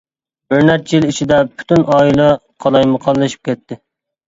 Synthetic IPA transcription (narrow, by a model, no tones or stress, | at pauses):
øɾnɛt̪jilit͡ʃʰid̪ɛpʰy̥t̪ʰynɑːilˠɛqʰɑlˠɑjməqʰɑlˠːɨʃi̥p̚kʲʰɛt̪ʰːɪ